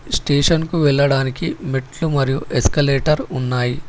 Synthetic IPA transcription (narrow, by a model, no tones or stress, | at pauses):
sʈeːʂɐnkuʋɛɭːɐɽaːnikimiʈlumɐɾijuʔeskɐleːʈɐɾunːaːji